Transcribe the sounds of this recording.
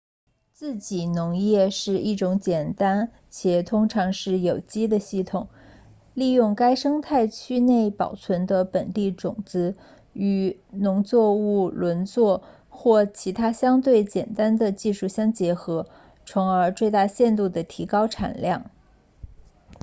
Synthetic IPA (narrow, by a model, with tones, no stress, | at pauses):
t͡sɹ̩˥˩t͡ɕi˨˩nʊ˧˥ŋjɛ˥˧ʂɻ̩˥˧i˥˩ʈ͡ʂʊ˧˥ŋt͡ɕjɛ˨˩nt̪a˥n | t͡ɕʰjɛ˨˩t̪ʰʊ˥ŋʈ͡ʂʰɑ˧˥ŋʂɻ̩˥˩jo˨˩ʊt͡ɕi˥d̪ə˨ɕi˥˩t̪ʰʊ˨˩˦ŋ | li˥˧jʊ˥˩ŋka˥ɪʂɤ˥ŋt̪ʰa˥˩ɪt͡ɕʰy˥ne˥˩ɪpɑ˨˩ʊt͡sʰwə˧˥nd̪ə˧pə˨˩nt̪i˥˩ʈ͡ʂʊ˨˩ŋt͡sɹ̩˥ | y˨˩nʊ˧˥ŋt͡swɔ˥˧u˥˩lwə˧˥nt͡swɔ˥˩ | xwɔ˥˩t͡ɕʰi˧˥t̪ʰa˥ɕjɑ˥ŋt̪we˥˩ɪt͡ɕjɛ˨˩nt̪a˥nd̪ə˨t͡ɕi˥˧ʂu˥˩ɕjɑ˥ŋt͡ɕjɛ˧˥xɤ˧˥ | t͡sʰʊ˧˥ŋə˞˧˥t͡swe˥˧ɪt̪a˥˧ɕjɛ˥˧nt̪u˥˩d̪ə˩t̪ʰi˧˥kɑ˥ʊʈ͡ʂʰa̰˨˩nljɑ˥˩ŋ